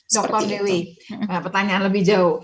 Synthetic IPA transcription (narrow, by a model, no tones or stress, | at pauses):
dɔk̚t̪ɔrdewiəpərt̪aɲaanləbɪhd͡ʒau